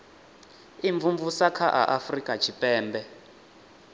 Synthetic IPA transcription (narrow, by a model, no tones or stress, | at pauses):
iɱvuɱvusakʰaʔa̰ʔafrikʼat͡ʃʰipʼɛːmbɛ